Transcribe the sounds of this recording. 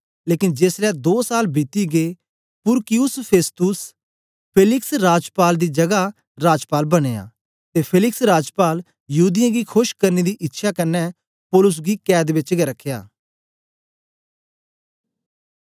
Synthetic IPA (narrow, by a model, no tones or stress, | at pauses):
leːkɪnd͡ʒeːslɛːd̪oːsaːlbiːt̪iɡeː | pʊɾkɪjʊspʰeːst̪ʊs | pʰeːlɪksɾaːd͡ʒpaːld̪iːd͡ʒɐɡa | ɾaːd͡ʒpaːlbəɽ̃eːa̰ː | t̪eːpʰeːlɪksɾaːd͡ʒpaːl | jəɦuːd̪ɪjãːɡikʰʊʃkəɾned̪iʔɪtːʃʰakənːɛ | poːlʊs̬ɡikɛːd̪ʋɪt͡ʃɡɛɾəkʰːeja̰ː